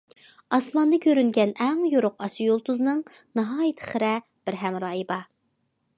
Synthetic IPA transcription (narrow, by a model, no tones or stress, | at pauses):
ɑsmɑnd̪ɨkʲʰøɾynɡʲɛnɛŋjoɾʊqɑsujolˠt̪uznɨŋnɑɦɑːjit̪ʰɪ̥χəɾɛ | b̥ɪɾɦɛmɾɑːjibɑ